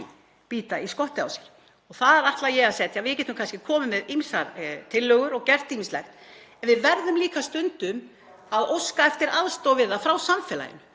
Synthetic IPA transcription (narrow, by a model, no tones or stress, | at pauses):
piːt̪aiskɔht̪ɪa̰wsɛ̥ɾ̥ | ɔɣθaðɾaht̪lajɛɣasɛt̪ʰjavɪðcɛːt̪ʏmkʰanscɪkʰɔːmʏmɛðimsaɾt̪ʰɪlːœːɣʏɾɔɣcɛr̥t̪iminslɛ̰xt̪ | ɛnvɪðvɛɾðʏmliːkast̪ʏnt̪ʏm | aðowskaɛft̪ɪɾʔaðst̪owvɪðafɾawsamfɛla̰jɪ̰nʏ